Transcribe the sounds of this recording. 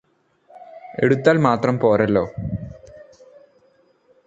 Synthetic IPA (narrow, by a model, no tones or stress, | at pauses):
e̞̰ɽut̪ːaːlmaːt̪rɐmpoːrɐlːo̞ː